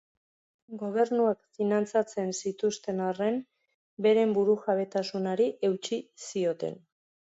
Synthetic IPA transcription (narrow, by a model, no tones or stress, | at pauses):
ɡo̞β̞e̞ɾnuekfinant͡sat͡se̞nsit̪ust̪e̞nare̞m | be̞ɾe̞mbuɾuxaβe̞t̪asunaɾiʔe̞wt͡ʃisio̞t̪e̞̰n